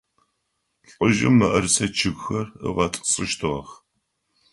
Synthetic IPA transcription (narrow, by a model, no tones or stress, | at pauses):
ɬʼʊʒɪmːɐʔɐrsɐt͡ʃʰɨɣxɐrə̰ʁɐtʼsʼɨʃtʰɨʁɐ̰x